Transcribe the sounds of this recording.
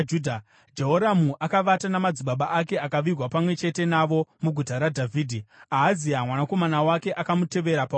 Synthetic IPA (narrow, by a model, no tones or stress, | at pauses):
d͡ʒudʱa | d͡ʒeɦoɾamuʔakaʋatanamad͡ziɓaɓaʔake̞akaʋirwapamwe̞t͡ʃe̞te̞naʋo̞muɡʱutaɾadʱavʱiːdʱiaːziɦamwanako̞manawake̞ʔakamute̞ʋe̞ɾapa